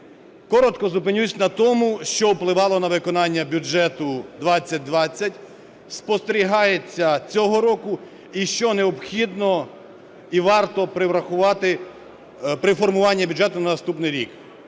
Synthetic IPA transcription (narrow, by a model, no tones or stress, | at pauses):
kɔɾɔt̪kɔzʊpɪnʲusʲnɐt̪ɔmʊʃt͡ʃɔwplˠɪʋɑlˠɔnɐʋɪkɔnɑnʲːɐbʲud͡ʒɛt̪ʊd̪ʋɑt͡sʲːɐt̚ʲd̪ʋɑt͡sʲːɐtʲ | spɔst̪eɾʲiɦɑjet͡sʲːɐt͡sʲɔɦɔɾɔkʊ | iʃt͡ʃɔneɔbxʲid̪nɔ | iʋɑrt̪ɔpɾɪʋɾɐxʊʋɑt̪ɪ | pɾɪfɔrmʊʋɑnʲːɐbʲʊd͡ʒɛt̪ʊnɐnɐst̪upnɪjɾʲḭk